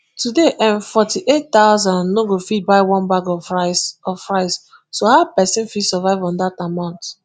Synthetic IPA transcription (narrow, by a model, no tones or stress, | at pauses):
tʰudeʔɛ̃nfɔtiʔettaʊzãnnoɡofit̚baɪwɔ̃nbaɡɔ | ɔfɹaɪs | sohaʊpɛsɛ̃nfisɛvaɪvɔ̃ndatamãʊ̃nt